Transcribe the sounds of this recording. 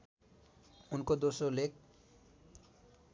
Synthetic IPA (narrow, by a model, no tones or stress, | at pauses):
unkod̪osolek̚